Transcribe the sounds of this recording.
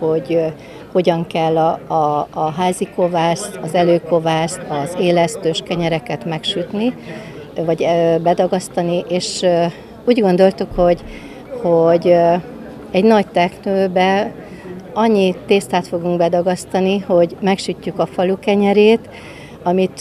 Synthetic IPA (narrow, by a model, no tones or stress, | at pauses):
ho̞ɟ | ho̞ɟɒŋkɛlːɒː | ɦaːziko̞vaːst̪ɒzɛløːko̞vaːst̪ɒzeːlɛst̪øːʃkɛɲɛɾɛkɛt̪mɛkʃyt̪ni | vɒɟbɛd̪ɒɡɒst̪ɒniʔeːʃ | uːɟɡo̞nd̪o̞lt̪ukho̞ɟ | hoɟ | ɛɟnɒct̪ɛknøːbɛ | ɒɲːit̪eːst̪aːt̪fo̞ɡuŋɡbɛd̪ɒɡɒst̪ɒniho̞ɟmɛkʃycːukɒfɒlukɛɲɛɾeːt̪ | ɒmit̪